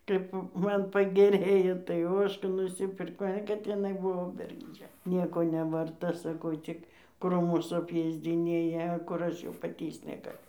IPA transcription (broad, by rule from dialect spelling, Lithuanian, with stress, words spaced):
kɐɪp ˈmɐn pɐɡʲɛˈrʲeːjoː tɐɪ ˈoːʃkɑː nʊsʲɪˈpʲɪrkɐʊ ɐ kɐt ɪˈnɐɪ ˈbʊʋoː bʲɛrɡʒʲˈd͡ʒʲɛ ˈnʲiɛkoː nʲɛʋɐrˈtɐ ˈsɑːkɐʊ ˈt͡sʲɪk ˈkruːmʊs ɐpʲˈeːzʲd͡zʲɪnʲeːjɛ kʊr ˈɐʃ jɛʊ pɐˈtʲiːst͡s nʲɛɡɐˈlʲʊ